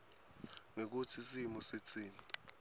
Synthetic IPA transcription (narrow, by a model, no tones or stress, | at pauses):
ŋek̬ut͡sʰisimɔsit͡sʰʼiːni